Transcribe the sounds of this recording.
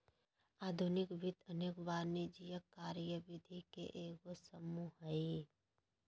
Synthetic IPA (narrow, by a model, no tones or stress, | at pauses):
aːd̪ʱunɪkbɪt̪ʰəneːkbaːɾnid͡ʒijəkːaːɾjəʋɪd̪ʱikḛʔeːkəsəmuɦəi